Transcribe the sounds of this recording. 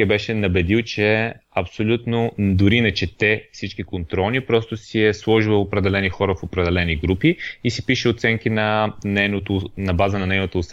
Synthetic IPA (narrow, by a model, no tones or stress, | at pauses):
ɛbɛʃɛnɐbɛd̪ilˠt͡ʃɛɐpsolʲut̪nod̪ʊɾiːnɐt͡ʃɛt̪ɛfsit͡ʃkikont̪ɾɔlˠnipɾɔst̪osiɛslˠɔʒivɐopɾɛd̪ɛlɛnixɔɾəfopɾɛd̪ɛlɛniɡɾupiisipiʃɛot̪sɛŋkinɐnɛjnot̪onɐbazənɐnɛjnot̪oːs